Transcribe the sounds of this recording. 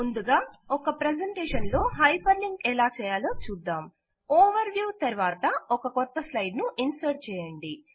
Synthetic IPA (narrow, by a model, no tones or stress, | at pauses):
mund̪uɡaːɔkɐpɾed͡ʒɐɳʈɛːʂɐnlo̞ːɦɐjpʰɐnliŋɡɛlaːt͡ʃɛːjaːloːt͡ʃuːd̪ːaːm | ɔːʋɐɾʋjuːt̪ɐɾʋaːt̪ɐɔkɐkɔt̪ːɐslɐjɖnuʔinsɐːɾʈ̚t͡ʃɛːjɐɳɖi